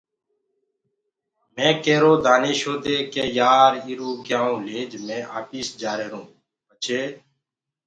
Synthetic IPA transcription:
mẽːkeːɾoːd̪ʱaːneːʃoːd̪eːkeːjaːɾiːɾũːɡɪjãːũːleːd͡ʒmẽːʔa̰ːpiːsd͡ʒaːɾeːɾũː | pət͡ʃʰeː

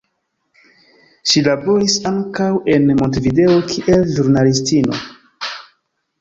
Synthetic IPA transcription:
ʃilabo̞ɾisaŋkawe̞nmontvide̞o̞kʰiʔe̞lʒuɾnalistino̞̰

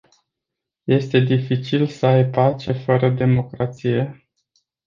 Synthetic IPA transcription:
je̞st̪e̞d̪ifit͡ʃilsəajpat͡ʃe̞fəɾəd̪e̞mo̞kɾat̪sije̞

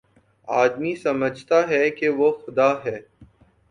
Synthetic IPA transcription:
a̰ːd̪misɐməd͡ʒʱt̪aɦɛkeʋoxʊd̪aːɦɛː

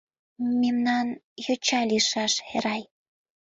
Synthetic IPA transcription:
memnɑn | jot͡ɕɑliʃɑʃḛɾɑj

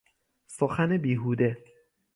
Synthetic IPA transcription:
soxænebiːɦuːd̪e

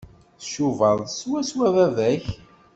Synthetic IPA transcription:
θəʃuvəðˤswæswævævæç

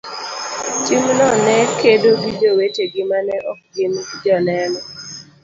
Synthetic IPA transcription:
timnɔnɛkedobid͡ʒoweteɡɪmanɛʔɔk̚ɡɪmd͡ʒɔnɛnɔ

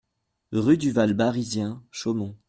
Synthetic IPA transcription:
ʁyd̪yvalbaʁizjɛ̃ʃomɔ̃

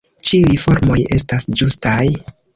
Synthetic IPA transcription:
t͡ʃiujfo̞ɾmo̞je̞̰stasd͡ʒustaj

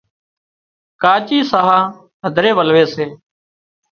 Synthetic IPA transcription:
kaːt͡ʃiːsaːɦaː | ɦəd̪ʱɾeːʋəlʋeːseː

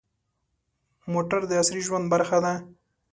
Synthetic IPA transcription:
moʈaɾd̪əasɾiʒwand̪baɾxad̪a

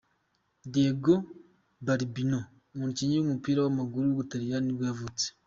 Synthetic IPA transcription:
deɡo | baɾibino | muːnuciɲiumupiːɾawamaɡuɾuβutaɾijaniβjavut͡se̥

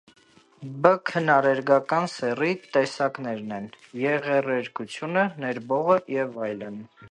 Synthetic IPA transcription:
bəkʰənɑɾɛɾɡɑkɑnsɛrit̪ɛsɑknɛɾnɛn | jɛʁɛrɛɾkut͡sʰjunənɛɾbɔʁəjɛvɑjlən

